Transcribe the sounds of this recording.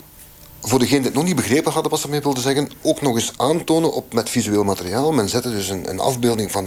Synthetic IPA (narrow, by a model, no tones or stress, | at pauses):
voːrdəɣeːnəndiːnɔxnid̚bəɣreːpənɦɑdəʋɑsəmeːʋɪlˠdəzɛɣənoːknɔɣɪsʔaːntoːnənʔɔpmɛtfizyeːlˠmatəriaːlˠmɛnzɛtədɵsənə̰nɑ̰vbeːlˠdɪŋvɑn